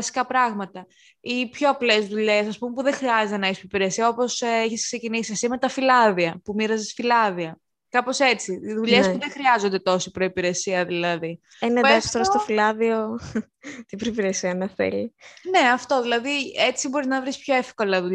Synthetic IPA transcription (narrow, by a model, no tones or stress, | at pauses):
ɐsi̥kɐpɾɐɣmɐt̪ɐ | ipço̞ɐple̞zðuʎe̞sɐspumepuðeŋxɾiɐzet̪e̞nɐispɾoipiɾesiɐo̞po̞siçiskse̞cinisiɐsime̞t̪ɐfilɐðiɐpumiɾɐzesfilɐðiɐ | kɐpo̞se̞t͡siðuʎesspuðexɾiɐzo̞nd̪e̞t̪o̞sipɾo̞ipiɾe̞siɐðilɐði | eneest̪oɾost̪ofilɐðio̞ | t̪ibɾoipiɾesiɐnɐθḛline̞ɐft̪o̞ðilɐðie̞t͡sibo̞ɾiznɐvɾispço̞efko̞lɐðu